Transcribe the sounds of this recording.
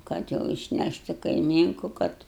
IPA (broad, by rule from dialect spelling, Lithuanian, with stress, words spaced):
ˈkɐt jɛʊ ɪʃʲˈnʲæʃʲtʲ ɪ kɐɪˈmʲiːŋkʊ ˈkɐt